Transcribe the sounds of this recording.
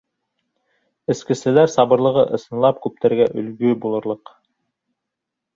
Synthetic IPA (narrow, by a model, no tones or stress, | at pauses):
ɘ̆skɘ̆sɘ̆læɾsɑβɤ̆ɾlˠɤ̆ʁɤʔɤ̆sɤ̆nlˠɑp̚kʉp̚t̪æɾɡæʔɵ̆lɡɵbulˠɤ̆ɾlˠɤq